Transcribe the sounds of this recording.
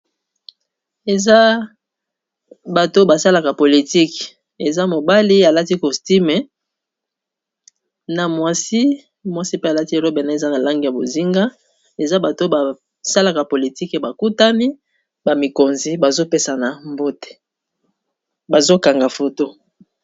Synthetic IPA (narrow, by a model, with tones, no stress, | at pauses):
e˨za˦ | ba˨to˦ba˨sa˦la˨ka˨po˨li˨ti˦k | e˨za˦mo˨ba˦li˦a˨la˦ti˦ko˨sti˦me˨ | na˨mwa˨si˦ | mwa˦si˦pe˦a˨la˦ti˦e˨lo˦be˨na˦e˨za˦na˨la˦ŋɡi˨ja˨bo˨zi˦ŋɡa˦ | e˨za˦ba˨to˦ba˨ | sa˦la˨ka˨po˨li˨ti˦ke˨ba˨ku˦ta˦ni˦ | ba˨mi˨ko˨nzi˨ba˨zo˦pe˦sa˨na˨mbo˦te̥˨ | ba˨zo˦ka˨ŋɡa˨fo˨to˦